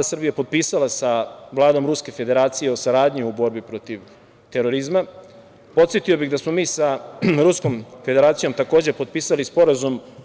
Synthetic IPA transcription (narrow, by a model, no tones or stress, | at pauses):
d̪asr̩bijapo̞d̪̚piːsalasaʋlˠaːd̪o̞mɾuske̞fe̞d̪e̞ɾaːt̪sije̞o̞saɾaːd̪ɲiubo̞ɾbipɾo̞t̪iʋ | t̪e̞ɾo̞ɾizma | po̞t̪set̪io̞biɣd̪asmo̞miːsaɾusko̞mfe̞d̪e̞ɾaːt̪sijo̞mt̪ako̞ːd͡ʑe̞po̞d̪̚piːsalispo̞ɾazum